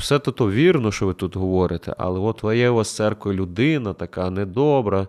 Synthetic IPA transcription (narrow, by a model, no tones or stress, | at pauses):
w̥sɛt̪ɔt̪ɔʋʲirnɔʃt͡ʃɔʋɪt̪ut̪ɦɔʋɔɾɪt̪ɛ̰ʔɐ̰lˠɛɔt̪ʋɛjɛʋast̪sɛrkɔjʊlʲʊd̪ɪnɐt̪ɐkanɛd̪ɔbɾɐ